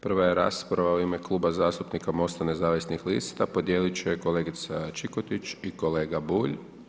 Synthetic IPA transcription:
pr̩ʋaje̞ɾa̰ːspɾaʋauime̞klˠuːbazaːst̪upnikamo̞st̪ane̞zaːʋisnixlḭst̪apo̞d̪je̞ːlit͡ʃeko̞leːɡit̪sat͡ʃikot̪it͡ʃiko̞le̞ːɡabuːʎ

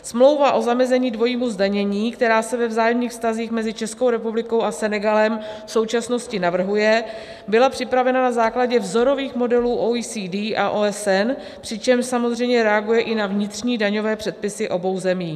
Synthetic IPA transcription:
smlo̞wvaʔo̞zamɛzɛɲiːdvo̞jiːmuzdaɲɛɲiːkt̪ɛɾaːsɛvɛvzaːjɛmniːxfst̪aziːxmɛzɪt͡ʃɛsko̞wɾɛpublɪko̞wasɛnɛɡalɛmfso̞wt͡ʃasno̞scɪnavr̩ɦujɛ | bɪlapr̝̥ɪpɾavɛnanazaːklaɟɛvzo̞ɾo̞viːxmo̞dɛluːʔoisiːdiːʔaʔoːɛsɛn | pr̝̥ɪt͡ʃɛmʃsamo̞zr̝ɛjmɲɛɾɛaɡujɛʔɪnavɲɪt̪r̝̥ɲiːdaɲo̞vɛːpr̝̥ɛt̪̚pɪsɪʔo̞bo̞wzɛmiː

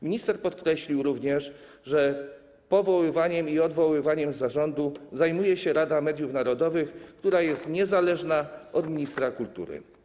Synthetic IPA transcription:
mʲiɲist̪ɛɾpɔt̪kɾɛɕlʲiwɾuvɲɛʂ | ʐɛ | pɔvɔwɘvaɲɛmiɔd̪vɔwɘvaɲɛmzaʐɔnd̪uzajmujɛɕɛɾad̪amɛd̪jufnaɾɔd̪ɔvɘxkt̪uɾajɛst̪ɲɛzalɛʐnaɔd̪mʲiɲist̪ɾakult̪ṵɾɘ̰

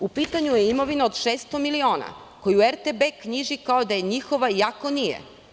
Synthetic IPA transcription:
upit̪aɲujeimo̞ʋinaod̪ʃeːst̪o̞milio̞ːna̰ | ko̞juueɾt̪ebekɲiʒikaod̪aje̞ɲixo̞ʋajakonijḛ

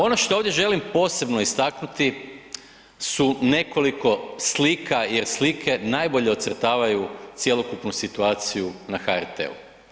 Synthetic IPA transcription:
o̞noʃt̪ooːʋd̪je̞ʒe̞limpo̞ːse̞bno̞ist̪aknut̪i | sune̞ko̞liko̞slikʰaje̞ɾslikʰe̞najbo̞ʎe̞ot̪sərt̪aːʋajut̪sje̞lo̞kupnusit̪uaːt̪sijunaxaɛɾt̪ḛṵ

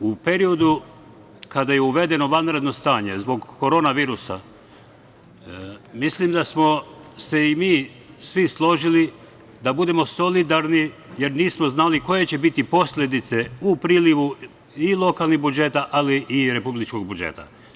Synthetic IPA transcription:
upe̞ɾio̞d̪u | kad̪ajeuʋe̞d̪e̞noʋanɾe̞d̪no̞st̪aːɲe̞zbo̞ɡkːoɾo̞naʋiːɾusa̰ | mislimd̪asmo̞se̞imiː | sʋislˠo̞ʒili | d̪abud̪e̞mo̞so̞lid̪aɾnije̞ɾniːsmoznaliko̞je̞t͡ɕe̞bit̪ipo̞slʲe̞d̪it̪se̞upɾiːliʋu | ilˠo̞kalˠnixbud͡ʒe̞t̪aʔaliʔiɾe̞publit͡ʃko̞ɡ̚bud͡ʒḛt̪a̰

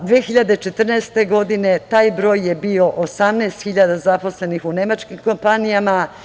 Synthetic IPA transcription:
d̪ʋeːxiʎad̪et͡ʃe̞t̪r̩nɛːst̪eɡo̞d̪ine̞t̪aːjbɾo̞ːjjebio̞ʔosamnɛːst̪xiʎad̪azapo̞sle̞nixune̞mat͡ʃkimko̞mpanijama

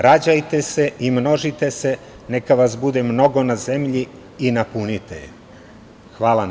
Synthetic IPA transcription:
ɾad͡ʑajt̪e̞se̞imno̞ʒit̪e̞se̞ | nekaʋasbud̪emno̞ɡo̞naze̞mʎiː | napunit̪ḛjḛ | xʋaːlˠan

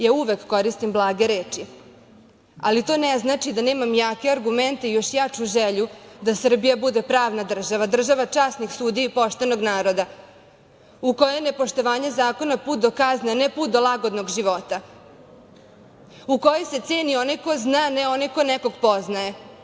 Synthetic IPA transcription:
jauʋe̞kːo̞ɾist̪imblˠaːɡeɾeːt͡ʃi | alit̪o̞ːneznaːt͡ʃid̪ane̞ːmamjaːke̞aɾɡument̪eijo̞ʃjat͡ʂuʒeʎud̪asr̩bijabud̪e̞pɾaːʋnad̪r̩ʒaʋad̪r̩ʒaʋat͡ʂaːsnixsuːd̪iipo̞ʃt̪e̞noɡnaːɾo̞d̪a | uko̞jenepo̞ʃt̪o̞ʋaːɲe̞zaːko̞napuːt̪̚d̪o̞kaznanepuːt̪̚d̪o̞lˠaɡo̞d̪noɡʒiʋo̞t̪a | uko̞jese̞t̪seːnioniko̞znaːneo̞nikonɛko̞ɡpo̞znaje̞

